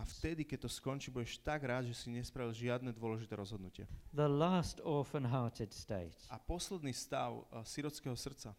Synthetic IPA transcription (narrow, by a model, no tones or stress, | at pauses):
aft̪ɛd̪ikɛc̚t̪ɔskɔnt͡ʃiːbuɟɛʃt̪aɡɾaːd̪ʒɛsiɲɛspɾaʋilʒɪad̪nɛd̪ʊɔlɛʒit̪ɛːɾɔzɦɔd̪nucɪɛ̰ðəlastɔfə̃nɦɑːtʰɪd̥steɪtapɔslɛd̪niːst̪aʊsiɾɔt͡skɛɦɔsr̩t̪t͡sa